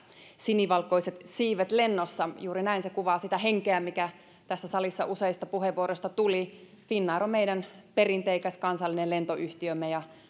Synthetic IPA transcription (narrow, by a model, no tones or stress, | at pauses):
siniʋɑlko̞iset̪siːʋæt̪lenːosːɑjuːɾinæinsekuʋɑːsit̪æɦeŋkeæmikæ | t̪æsːæsɑlisːɑʔuseist̪ɑpuheʋuoɾost̪ɑt̪uli | finːɑːɾomeiɾænperint̪eikæsʲkɑnsɑlːinelent̪oʔyht̪iømːejɑ